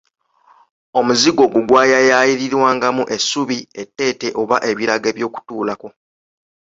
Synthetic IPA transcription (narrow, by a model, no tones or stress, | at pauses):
o̞muziɡo̞ːɡuɡwaːjajaːjiɾiɾwaːŋɡamuʔe̞sːuβie̞tːe̞ːte̞ʔo̞βaʔe̞βiɾaɡe̞βjo̞ːku̥tuːlako̞